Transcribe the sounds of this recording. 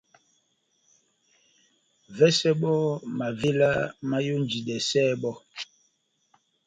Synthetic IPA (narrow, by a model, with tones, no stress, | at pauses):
vɛ˦sɛ˦ɓɔ˦ma˨ve˦la˦ma˦jo˦nd͡ʒi˨dɛ˨sɛː˦˨ɓɔ˦